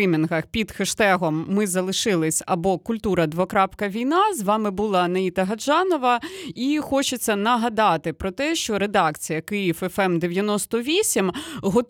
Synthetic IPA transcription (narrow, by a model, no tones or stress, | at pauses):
imʲinɦɐxpʲid̪xɪʃt̪ɛɦɔmːɪzɐlˠɪʃɪlˠɪsʲɐbɔkʊlʲt̪uɾɐd̪ʋɔkɾɑpkɐʋʲijnɑzʋɑmɪbulˠɑnɐit̪ɐɦɐd͡ʒɑnɔʋɐixɔt͡ʃɪt͡sʲːɐnɐɦɐd̪ɑt̪ɪpɾɔt̪ɛʃt͡ʃɔɾed̪ɑkt͡sʲijɐkɪjifɛfɛmd̪eʋʲjɐnɔst̪ɔʋʲisʲimɦɔ